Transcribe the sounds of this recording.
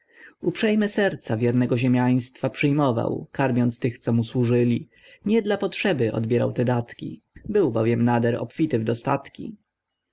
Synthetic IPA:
upʂɛjmɘsɛɾt̪savʲjɛɾnɛɡɔʑemʲjaj̃st̪fapʂɘjmɔva̰wkaɾmʲjɔnt̪st̪ɘxt̪sɔmuswuʐɘlʲi | ɲɛd̪lapɔtʂɛbɘʔɔ̰d̪bʲjɛɾa̰wt̪ɛd̪at̪kʲḭ | bɘwbɔvʲjɛmnad̪ɛɾɔ̰pfʲit̪ɘvd̪ɔst̪a̰t̪kʲḭ

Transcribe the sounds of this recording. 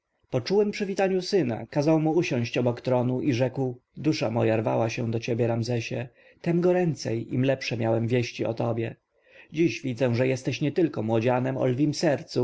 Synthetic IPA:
pɔt͡ʂuwɛmpʂɘvʲit̪aɲusɘna̰kazawmuuɕɔ̃w̃ɕt͡ɕɔbɔkt̪ɾɔnuʔiʐɛkwd̪uʂamɔjaɾvawaɕɛd̪ɔt͡ɕebʲjɛɾamzɛɕɛ | t̪ɛmɡɔɾɛnt̪sɛjḭmlɛpʂɛmʲjawɛmvʲjeɕt͡ɕiɔ̰t̪ɔbʲjɛ | d͡ʑiɕvʲid̪zɛʐɛjɛst̪ɛɕɲɛt̪ɘlkɔmwɔd͡ʑanɛmɔ̰lvʲimsɛɾt̪su

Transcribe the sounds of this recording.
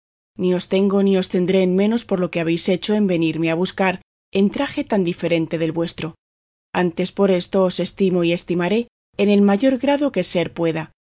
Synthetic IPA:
nio̞st̪e̞ŋɡo̞nio̞st̪e̞nd̪ɾe̞ːnmẽ̞no̞spo̞ɾlo̞ke̞aβ̞e̞jse̞t͡ʃo̞e̞mbe̞niɾme̞aβ̞uskaɾ | e̞nt̪ɾaxe̞t̪and̪ife̞ɾe̞nt̪e̞ðe̞lβwe̞st̪ɾo̞ | ant̪e̞spo̞ɾe̞st̪o̞ːse̞st̪imo̞ie̞st̪imaɾe̞ː | ne̞lmaʝo̞ɾɣɾaðo̞ke̞se̞ɾpwe̞ða

